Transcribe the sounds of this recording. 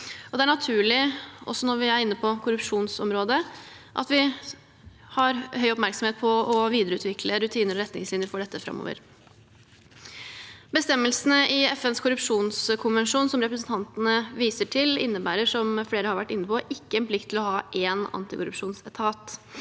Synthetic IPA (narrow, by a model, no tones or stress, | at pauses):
ɔd̪ɛæɳɑt̪ʰʉːɭɪɔ̰sːɔnɔɾʋɪæɾɪnːəpʰɔkʰʊɾʉpʂuːnsɔmɾoːd̪ə | ʔɑ̰t̪ʋɪ | hɑɾhœʏɔpmæɾksɔmeːt̪̚pʰɔɔʋiːd̪əɾəʉːt̪ʋɪkləɾʉt̪ʰiːnəɾɔɾɛt̪nɪŋslɪnjəfɔɖɛt̪ːəfɾɑ̰mːo̰ːʋə̰ɾ | bəst̪ɛmːəlsənəɪɛfɛnskʰʊɾʉpʂuːnskʰʊnʋɛnʂuːnsɔmɾɛpɾəsn̩t̪ʰɑnt̪ənəʋiːsəʈʰɪlɪ̰nːəbæ̰ːɾəʂɔmfleːɾəhɑɾʋæʈːɪnːəpʰɔʔɪkːəɛnpʰlɪk̚t̪ʰːɪlɔɦɑːʔeːnɑ̰nt̪ɪkʊɾʉ̰pʂuːnsɛt̪ʰɑːt̪